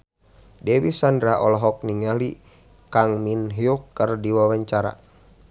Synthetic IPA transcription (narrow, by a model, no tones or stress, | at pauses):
dɛwisandɾaʔɔlɔɦɔk̚niŋali | kaŋminɦiukːərdiwawaɲt͡ʃaɾa̰